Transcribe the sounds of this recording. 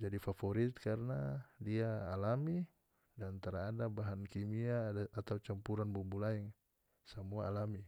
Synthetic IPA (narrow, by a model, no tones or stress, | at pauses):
d͡ʒadifafɔɾit̪̚karnadiaːlami | dant̪aɾaːdabaɦankimiaaːt̪aut͡ʃampuɾanbumbulaɛŋ | samuaalami